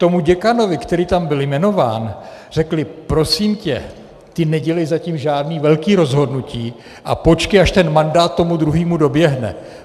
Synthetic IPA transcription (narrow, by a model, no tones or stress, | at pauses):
t̪o̞muɟɛkano̞vɪkt̪ɛɾiːt̪ambɪljmɛno̞vaːnr̝̥ɛklɪpɾo̞siːmcɛ̰ | t̪ɪnɛɟɛlɛjzaciːmʒaːdniːvɛlkiːɾo̞zɦo̞dnuciː | ʔa̰po̞t͡ʃkɪaʃt̪ɛnmandaːt̪̚ːo̞mud̪ɾuɦiːmudo̞bjɛɦnɛ̰